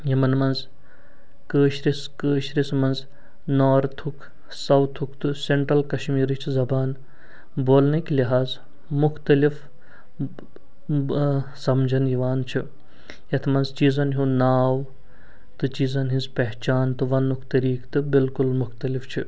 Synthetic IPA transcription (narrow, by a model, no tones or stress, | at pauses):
jɐmɐnmɐnz | kəːʃɾiskəːʃɾismɐnz | naːɾt̪ʰukʰ | sɐwt̪ʰukʰt̪ɨseɳʈɾɐlkɐʃmiːɾɨt͡ʃʰzɐbaːn | boːlnɐkliɦaːz | mʊxt̪ɐlif | sɐmd͡ʒʱɐniʋaːnt͡ʃʰi | jɐt̪ʰmɐnzt͡ʃiːzɐnɦũnaːw | t̪ɨt͡ʃiːzɐnɦinzpɐɦt͡ʃaːnt̪ɨʋɐnːukʰt̪ɐɾiːkʰt̪ɨbilkulmʊxt̪ɐlift͡ʃʰi